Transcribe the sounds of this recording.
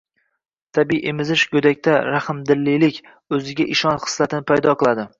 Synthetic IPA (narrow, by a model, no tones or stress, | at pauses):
t̪ʰabijʔemɪzɪʃɡɵd̪akʲt̪ʰaɾahɪmd̪ɪlːijlɪkʲ | ɵzɪɡʲaʔɪʃɒnχɨ̥slat̪ʰɪnɪpʰajd̪ɒqɨlˠad̪ɪ